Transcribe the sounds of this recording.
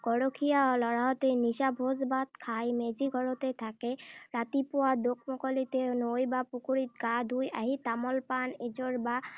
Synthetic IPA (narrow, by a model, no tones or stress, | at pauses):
ɡ̥ɔɹɔkʰijalɔɹaɦɔt̪enisabʱɔzbat̪̚kʰajmeziɡʱɔɹɔt̪ɛtʰakɛɹat̪ipʊwad̪ok̚ʰmɔkɔlit̪ɛnojbapukuɹit̪̚ɡad̪ʱuja̰ɦit̪amɔlpaned͡ʒɔɹba